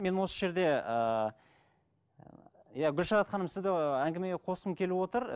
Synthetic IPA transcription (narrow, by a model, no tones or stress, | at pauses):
me̞nwo̞səʒe̞ɾd̪e̞ə | jaɡʲʏlʃɑɾɑt̪χɑnəmsɪzd̪ɪæŋɡʲɪme̞ɡʲeqʰo̞st̪əmkʲʰe̞lɪwo̞t̪əɾ